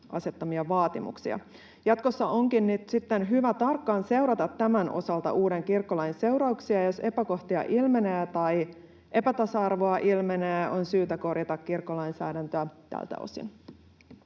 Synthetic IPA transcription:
ʔɑ̰se̞t̪ːɑmiɑʋɑːt̪imṵksḭɑ̰ | jɑt̪ko̞sːɑo̞ŋkinːyt̪sit̪ːenɦyʋæt̪ɑrkːɑːnse̞wɾɑt̪ɑt̪ːæmænʔo̞̰sɑlt̪ɑ̰ʔuːde̞ŋkirkːolɑinse̞wɾɑuksiɑjose̞pæko̞ht̪iɑ̰ʔilme̞neːt̪ɑj | ʔe̞pæt̪ɑsɑɑrʋoɑʔilmeneːʔo̞nsyːt̪æko̞rjɑt̪ɑkkirkːolɑjnsæ̰ːdænt̪øæt̪æ̰lt̪æ̰o̞̰sḭn

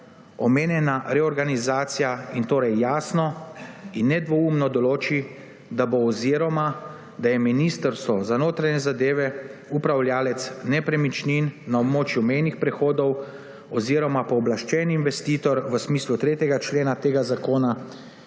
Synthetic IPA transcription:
ɔmeːnjɛnaɾɛɔɾɡanizaːt̪sijaint̪oːɾɛjːaːsnɔinːɛd̪ʋɔuːmnɔd̪ɔloːt͡ʃi | d̪aboːziɾɔma | d̪ajɛminist̪əɾst̪ɔzanoːt̪ɾaɲɛzad̪eːʋɛupɾawlʲjaːlɛt̪snɛpɾɛmit͡ʃninːaɔbmoːt͡ʃjumejnixpɾɛxoːd̪ɔw | ɔziɾɔmapɔːblaʃt͡ʃɛniinʋɛst̪iːt̪ɔɾʋəsmiːslut̪ɾeːt̪jɛɡat͡ʃleːnat̪eːɡazakoːna

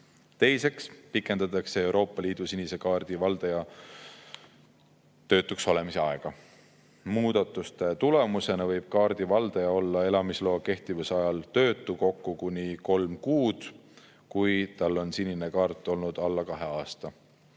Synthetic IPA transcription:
t̪e̞jse̞kspikːˑe̞nd̪̥ɑt̪ːˑɑksee̞wɾʔo̞ːpːˑɑliːd̪̥usinise̞kɑːrd̪̥ivɑld̪̥ejɑ | t̪ø̞ːt̪ːˑukso̞le̞mise̞ɑeɡ̥ɑ | muːd̪̥ɑt̪ːˑust̪e̞t̪ule̞muse̞nɑvɤjb̥̚kɑːrd̪̥ivɑld̪ejɑo̞lːɑe̞lɑmislo̞ːke̞ht̪ivusɑjɑlt̪ø̞ːt̪ːˑuko̞kːukunʲiko̞lmkuːd̪̥ | kujt̪ɑlːo̞nsinʲine̞kɑːrt̪ˑːo̞lnud̪̥ɑlːɑkɑɦe̞ɑːst̪ɑ

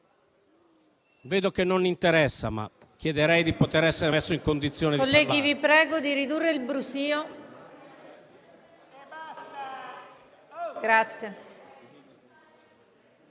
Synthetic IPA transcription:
veːd̪okenːonːint̪eɾɛsːa̰ma̰ | kːjɛd̪eɾɛjd̪ipot̪eɾɛsːeɾesːoiŋkond̪it̪sːjoːnekolːɛːɡivipɾɛːɡod̪iɾid̪urːeilbɾusiːo | ɡɾat̪sje

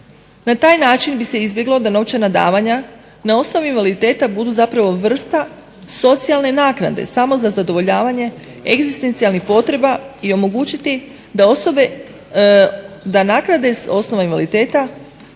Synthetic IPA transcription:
nat̪aːjnaːt͡ʃinbise̞izbje̞ɡlˠo̞d̪ano̞ʋt͡ʃenad̪a̰ːʋaɲa | nao̞sno̞ʋuinʋalid̪it̪e̞ːt̪abud̪uzapɾaʋo̞ʋr̩st̪a | so̞t̪sialne̞naːkna̰d̪e̞̰samo̞zazad̪o̞ʋo̞ʎaːʋaɲe̞ | eɡzist̪e̞nt̪sialnixpo̞t̪ɾe̞baio̞mo̞ɡuːt͡ɕit̪i | oe | d̪anaːknad̪e̞o̞sno̞ʋainʋalit̪e̞ːt̪a

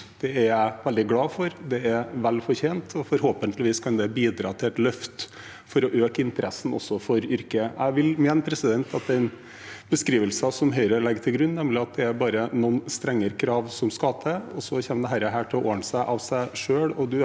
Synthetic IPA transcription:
d̪̥ɛæɾæɪʋɛld̪ɪɡlɑːfɔɾd̪ɛæʋɛlfɔɾçeːnt̪ʰɔfɔɾhoːpənt̪ʰlɪʋiːskʰɑnd̪ɛbiːd̪ɾɑ̰ːt̪ʰɪlɛt̪lœft̪ | fɔɾɔʔøːkəɪnt̪əɾʔɛsːn̩ɔ̰sːɔfɔɾʏɾkəæ̰ɪʋɪlmeːnpʰɾɛsɪd̪ɛnt̪ʰɑt̪̚d̪ɛɪn | b̥əskɾiːʋəlsɑsɔmɦœʏɾəlɛɡt̪ʰɪlɡɾʉnːnɛmlɪɑt̪̚d̪ɛæɾbɑːɾənɔnst̪ɾɛŋːəɾəkʰɾɑːʋsɔmskɑt̪ʰəɔsɔçɛməd̪ɛɦæɾəɦæːʈʰɪlɔoːɳəsæɪʔɑʋsæɪʂøːɽɔd̪ʉ

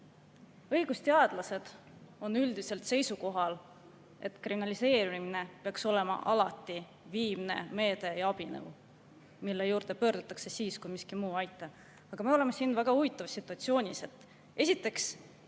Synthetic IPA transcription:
ɤ̞jɡ̥ust̪eɑd̪̥lɑse̞d̪̥ | o̞nyld̪ise̞lt̪se̞jsuko̞ɦɑl | e̞̰t̪ˑkriminɑlise̞ːɾimine̞peɑkso̞le̞mɑ̰ʔɑlɑt̪ːˑi | viːmne̞̰me̞ːd̪̥e̞jɑb̥inḛu | milːe̞juːɾd̪̥e̞pø̞ːrɾd̪̥ut̪ːˑɑkse̞siːskujmiskimuːɑjt̪ːˑɑ | ɑɡ̥ɑme̞o̞le̞me̞sinvæɡ̥ɑuvit̪ːˑɑvɑsːit̪ːˑuɑt̪sio̞ːnʲise̞t̪ːˑ | e̞sit̪ːˑe̞ks

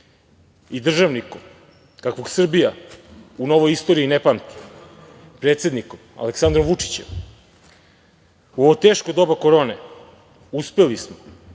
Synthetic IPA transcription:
id̪r̩ʒaʋnikom | kakʋo̞ɡsr̩bijauno̞ʋo̞jist̪o̞ɾiːnepamt̪i̥ | pɾe̞ːt̪se̞d̪nikoma̰leksand̪ɾomʋut͡ʂi̥t͡ɕem | uoʋot̪eːʃkod̪o̞bako̞ɾo̞ːne | uspe̞lismo

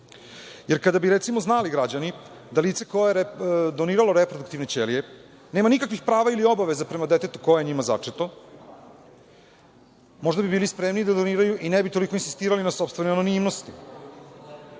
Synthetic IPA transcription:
jeɾkad̪abiɾet̪simo̞znaliɡɾad͡ʑanid̪alit̪sekojajeɾd̪o̞niːɾalo̞ɾepɾod̪ukt̪iʋnet͡ɕelije | ne̞ːmanikakʋixpɾaːʋailio̞baʋe̞zapɾe̞mad̪et̪e̞t̪u̥ko̞jeɲimaza̰t͡ʂet̪o | mo̞ʒd̪abibiːlispɾemnid̪ad̪oniːɾajuʔinebit̪olikoinsist̪iːɾalinaso̞pst̪ve̞neanonimnost̪i

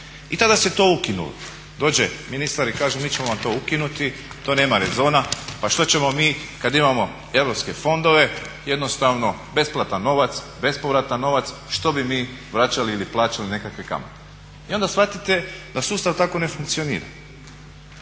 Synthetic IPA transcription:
it̪ad̪aset̪o̞ːukinṵlo̰ | d̪o̞ːd͡ʑeminist̪aɾikaːʒumiːt͡ɕe̞mo̞ʋamt̪o̞ukinut̪i | t̪o̞ːne̞ːmaɾe̞zo̞ːnapaʃt̪o̞t͡ɕe̞mo̞miːkad̪imamo̞ | e̞ʋɾo̞pske̞fo̞nd̪o̞ʋe̞je̞d̪no̞st̪aʋno̞be̞splˠat̪ano̞ʋat̪s | be̞spo̞ʋɾat̪ano̞ʋat̪sʃt̪o̞bimiːʋɾat͡ɕaliiliplˠaːt͡ʃaline̞kakʋeka̰mat̪e̥ | io̞nd̪asfʋat̪it̪e̞d̪asuːst̪aʋt̪ako̞ne̞fuŋkt̪sio̞nḭːɾa̰

